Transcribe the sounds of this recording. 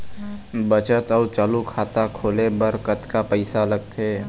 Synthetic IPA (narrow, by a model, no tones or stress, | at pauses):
bət͡ʃət̪ɔːt͡ʃaːlukʰaːt̪akʰoːlebəɾkət̪kapəɪsaləɡ̚t̪ʰeː